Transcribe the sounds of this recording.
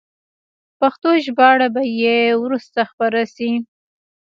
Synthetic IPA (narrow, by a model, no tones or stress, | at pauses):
paxt̪oʒbɑɽabajewɾust̪axpaɾasi